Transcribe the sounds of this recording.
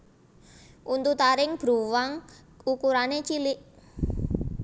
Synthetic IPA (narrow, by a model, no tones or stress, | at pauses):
ʔunt̪ut̪aɾɪŋb̥ɾṳwaŋ | ukuɾanet͡ʃilɪʔ